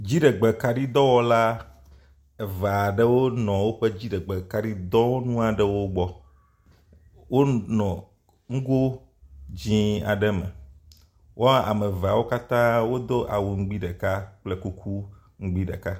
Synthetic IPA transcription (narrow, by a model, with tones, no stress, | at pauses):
d͡ʑi˦ɖe˨ɡ͡be˨ka˦ɖi˦d̪ɔ˦wɔ˦la˦ | ɛ˨va˨ɖɛ˦wo˦nɔ̃˨wo˦ɸɛ˦d͡ʑi˦ɖɛ˨ɡ͡be˨ka˦ɖi˦d̪ɔ̃˦wo˦nũ˦a˨ɖɛ˨wo˦ɡ͡bɔ˦ | wo˦nɔ̃˨ | ŋ̩˦ɡo˦ | d͡ʑĩ˦a̰˨ɖɛ˦mɛ̰˨ | wʔo˦a̰˨me˨va˨wo˦ka˦t̪ã˦wo˦d̪o˦ʔa̰˨wu˨ŋ̩˦ɡ͡bi˦ɖɛ˨ka˦k͡plɛ˦ku˦kʰu˦ | ŋ̩˦ɡ͡bi˦ɖḛ˨ka˦